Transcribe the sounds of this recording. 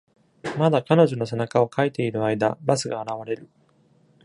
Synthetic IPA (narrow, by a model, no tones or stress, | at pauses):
mad̪akano̞ʑo̞no̞se̞nakao̞kait̪e̞iɾɯ̟aid̪a̰basɨɡaːɾaβ̞aɾe̞ɾɯ̟